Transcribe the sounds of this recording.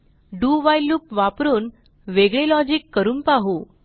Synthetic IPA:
ɖuːʋajluːpʋapɾuːn | ʋeɡɭelɔd͡ʑikːəɾuːnpaɦu

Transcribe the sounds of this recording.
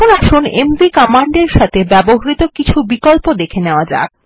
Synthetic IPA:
onaʃonembikɔmaɳɖeɾʃat̪ʰebɛboɦɾit̪okit͡ɕʰubikolpod̪ekʰeneoad͡ʑa̰k

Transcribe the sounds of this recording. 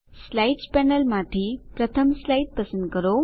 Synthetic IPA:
slaiʈspɛnəlmãt̪ʰipɾɐt̪ʰəmslaiʈ̚pɐsə̃nd̪kəɾo

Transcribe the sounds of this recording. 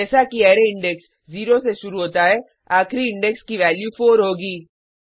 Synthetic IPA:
ɛːsakiɛːɾeɪ̃ɳɖɛks | ziːɾoseʃʊɾuɦoːt̪aɦɛː | aːkɾiɪ̃ɳɖɛkskiʋɛːljufʰoːɾɦoːɡiː

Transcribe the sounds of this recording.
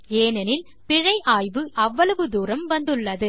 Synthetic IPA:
eːnɐnɪl | pɪɻɐɪʔaːjʋɯʔɐʋːɐlɐʋɯd̪uːɾɐmʋɐnd̪ɯɭːɐðɯ

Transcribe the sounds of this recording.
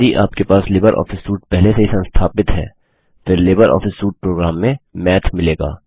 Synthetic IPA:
iʔaːpkepaːslɪːbəɾʔɔ̰ːfɪsːuːʈ̚pɛɦleseɦisɐ̃nst̪ʰaːpɪt̪ɦɛ̰ː | fɪɾleːbəɾʔɔ̰ːfɪsːuːʈ̚pɾoːɡɾaːmːẽmɛːt̪ʰmɪleːɡa̰ː

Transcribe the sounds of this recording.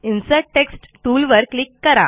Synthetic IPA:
insəʈeksʈʈuːlʋəɾklikːəɾa

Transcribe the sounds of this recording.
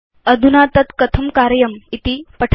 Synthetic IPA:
əd̪ʱunat̪ɐt̪kɐt̪ʰɐmkaɾjɐmit̪ipɐʈʰ

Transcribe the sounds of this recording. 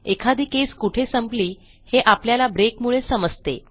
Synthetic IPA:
ekʰad̪ikeskuʈʰesəmpliː | heʔapljalabɾekmuɭesəməd͡zt̪ḛ

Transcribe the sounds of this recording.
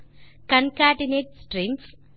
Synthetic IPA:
kɐnkaːɖineːʈsʈɾims

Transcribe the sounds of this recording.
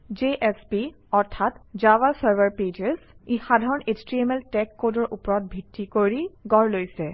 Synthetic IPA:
d͡ʒeʔɛspi | ɔɹtʰatd͡ʒawasaɹbʱaɹped͡ʒezixadʱaɹɔnet͡ʃtɹiemɛltɛkːodɔɹʔupɔɹɔt̚bʱitːikoɹiɡɔɹlojsɛ

